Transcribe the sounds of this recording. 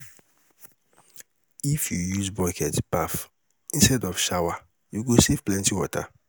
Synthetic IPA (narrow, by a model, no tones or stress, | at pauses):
ifjujuzbɔkʰɛtpaf | ĩnstɛdɔfʃawa | juɡosevplɛ̃ntiwɔta̰